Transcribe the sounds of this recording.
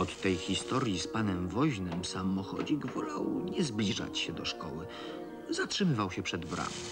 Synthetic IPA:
ɔt̪ːɛjxʲist̪ɔɾʲjispanɛmvɔʑnɘmsamːɔxɔ̰d͡ʑiɡvɔlawɲɛzblʲiʐa̰t͡ɕɕɛd̪ɔʂkɔwɘ | zatʂɘmɘvawɕɛpʂɛd̪bɾa̰mʲi

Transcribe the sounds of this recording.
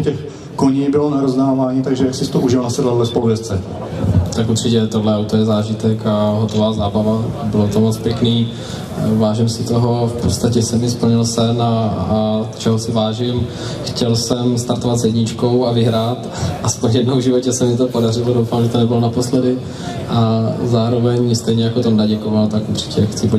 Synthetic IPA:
cɛx | koɲiːbɪlonaɾoznaːvaːɲit̪aɡʒɛjaksɪst̪oʔuʒɪlnasɛdlalɛspoluvjɛst͡sɛ | t̪akuɾr̥ɪcɛt̪odlɛawt̪o̞jɛzaːʒɪt̪ɛkaɦot̪o̞vaːzaːbavabɪlot̪omot͡spjɛkniː | vaːʒɪmsɪt̪o̞ɦo̞fpot̪st̪acɛsɛmɪspl̩ɲɪlsɛna | t̪t͡ʃʰɛɦosɪvaːʒɪm | xcɛlsɛmst̪aɾt̪ovat̪zjɛdɲɪt͡ʃko̞wavɪɦɾaːt̪ | ʔaspoɲjɛdnowʒɪvo̞cɛsɛmɪɲɛt̪opo̞darɪlodowfaːmʒɛt̪onɛbɪlonapo̞slɛdɪ | ʔazaːɾo̞vɛɲst̪ɛjɲɛjakot̪omdaɟɛkovalt̪akud̪r̝̥ɪ̥cɛxt͡sɪpo

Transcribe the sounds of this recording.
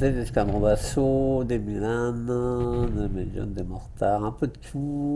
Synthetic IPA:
t̪ɛʒiskãb̪ʁɔ̃basod̪emiland̪ədmejɔ̰̃nd̪emɔʁt̪aʁɛ̃pød̪əkʲʰu

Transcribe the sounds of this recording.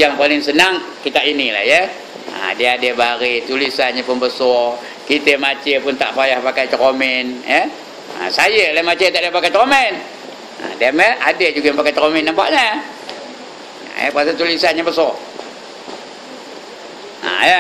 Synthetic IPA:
jaŋpalɪŋsənaŋkit̪aʔinila̰hjə | a̰deadebaɾet̪ulisanɲəpʊnbəsɔr | kit̪əmat͡ʃepʊnt̪a̰ʔpajahpakajt̪ɾomɪnjə | a̰sajəlamat͡ʃet̪aʔdəpakajt̪ɾomɛn | a̰daməadəd͡ʒuɡaampakajt̪ɾomɪnːampa̰ʔɲə | jə̰pasat̪ulisanɲəbəsɔr | a̰ja

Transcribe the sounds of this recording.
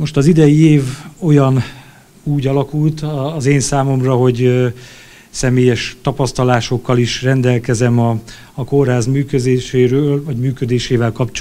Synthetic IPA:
mo̞ʃt̪ɒzid̪ɛjieːvo̞jɒn | uːɟɒlɒkult̪ːzeːnsaːmo̞mrɒɦo̞ɟ | sɛmeːjɛʃt̪ɒpɒst̪ɒlaːʃo̞kːɒliʃrɛnd̪ɛlkɛzɛmɒː | korɦaːzmyːkød̪eːʃeːɾøːlvɒɟmyːkød̪eːʃeːvɛlkɒpt͡ʃ

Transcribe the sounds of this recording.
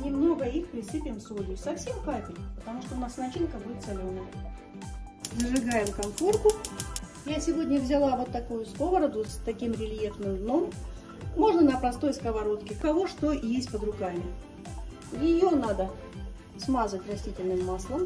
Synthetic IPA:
nʲɪmno̞ɡəixpɾʲɪsɨpʲɪmsudʲɪsɐfsʲe̞mkapʲɪlʲpət̪ɐmuʂt̪oʊnasnɐt͡ɕinkəbudʲɪt̪sɐlʲonːə | zəʐɨɡajɪmkɐmfo̞rkʊ | jasʲɪvo̞dʲnʲəvzʲɪlˠavo̞t̪ːɐkujʊsko̞vəɾəd̪ʊst̪ɐkʲimɾʲɪlʲjefnɨmd̪no̞mː | o̞ʐnənəpɾɐst̪o̞jskəvɐɾo̞t̪kʲɪkɐvoʂt̪o̞jesʲtʲpəd̪ɾʊkamʲɪ | jɪjonad̪ə | smazətʲrɐsʲtʲitʲɪlʲnɨmːaslˠəm

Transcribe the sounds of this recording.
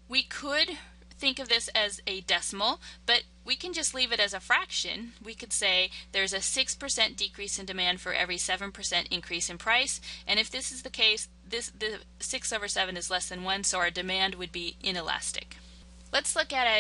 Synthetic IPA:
wikʰəd̪̚ | θɪ̃ŋkʌvðɪsɨzɨdɛsm̩l̩ˠb̥ʌt̚ | wikɨ̃nd͡ʒʌstˡlivɨɾɨzɨfɹækʃɨ̰̃nwikɨd̥seɪðə˞ɨzɨsɪkspʰə˞sɛ̃nd̥ɨkʰɹ̥isɨ̃ndɨmæ̃nd̥fə˞ʔɛ̰vɹisɛvɨ̃npʰə˞sɛ̃ntɨ̃nkʰɹ̥isɨ̃npʰɹ̥aɪsʔɨ̃ñɨfðɪsɨzðɨkʰeɪs | ðɪsðɨ | sɪksoʊvə˞sɛvɨ̃nɨzlɛsðɨ̃nwʌ̃nsoʊ˞dɨmæ̃nd̚wɨd̚biʔɪ̃nɨlæ̰stɨ̰k | lətslʊkɨɾɨ

